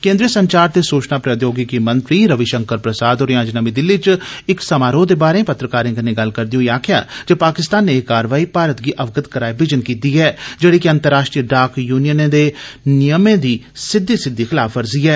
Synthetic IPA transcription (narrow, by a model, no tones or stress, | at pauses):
kẽːnd̪ɾiːəsəɲt͡ʃaːɾt̪eːsuːt͡ʃnaːpɾəd̪joːɡɪkimənt̪ɾiːɾəʋɪʃəŋkəɾpɾəsaːd̪oːɾjãːd͡ʒnəmiːd̪ɪlːit͡ʃɪksəmaːɾoːd̪eːbaːɾẽːpət̪ɾəkaːɾẽːɡənẽːɡəlkəɾd̪ɪoːjaːkʰɪja̰ːd͡ʒəpaːkɪst̪aːnːeːkːaːɾʋaːiːpaːɾət̪ɡiːʔəʋɡət̪kəɾaːibɪd͡ʒənkiːt̪iːɛːd͡ʒəɽeːkɪə̃nt̪əɾːaːʃʈɾijəɖaːkjuːnɪjənẽːd̪eːnɪjəmẽːd̪iː | sɪd̪ːiːsɪd̪ːiːxɪlaːfʰəɾziːɦɛː